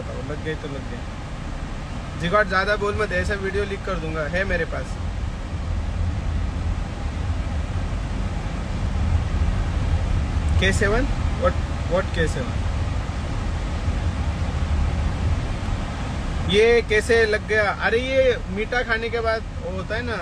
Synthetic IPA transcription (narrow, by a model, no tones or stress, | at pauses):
t̪a̰olɐɡːəit̪olɐɡ̚ːɐja | d͡ʒɪɡaːʈzjaːd̪aboːlmɐt̪ɛːsaʋiːɖijolikːɐɾd̪ũːŋɡaɦɛmeːɾepaːs | kɛːseʋənd̪ʋɔʈʋɔʈkeːseʋə̰n | jekɛːselɐɡːɐjaʔɐɾeje | miːʈakʰaːnek̬ebaːd̪ | ɦoːt̪aɦɛna